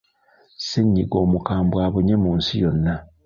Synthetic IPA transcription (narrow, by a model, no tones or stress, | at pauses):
siɲːiɡo̞ːmukaːmbwaːβuɲe̞muːnsijo̞nːa